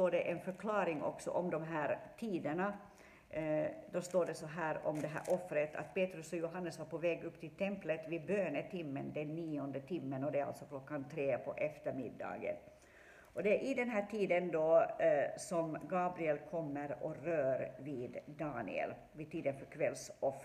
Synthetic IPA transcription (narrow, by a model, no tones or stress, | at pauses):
t̪oːɖɛʔɛnfœɾkʰlɑːɾɪŋɔ̰ksɔ̰ʔɔmd̪ɔmɦæːɾʈ̪ʰiːd̪əɳa | d̪ɔst̪oːɖɛsɔɦæːɾɔmd̪ɛɦæ̰ːɾʔɔfɾət̪ʰa̰t̪peːt̪ɾɵsɔjʊɦanːəsʋaɾpɔvɛːɡɵpːt̪ʰɪlt̪ʰɛmplət̪vɪbøːnət̪ʰɪmːənd̪ɛnːiːɔnd̪ət̪ʰɪmːənɔd̪ɛæɾa̰lsɔklɔkːant̪ʰɾeːpʰɔʔɛft̪əɾmɪ̰d̪ːɑ̰ːɡə̰n | ʔɔd̪ɛæɾʔɪd̪ɛnɦæːʈʰiːd̪ənd̪ɔ | sɔmɡɑːbɾɪɛlkʰɔmːəɾɔɾøːɾviːd̪ːɑːnɪ̰ɛ̰l | vid̪̚t̪ʰiːd̪ənfœɾkʰvɛlsɔf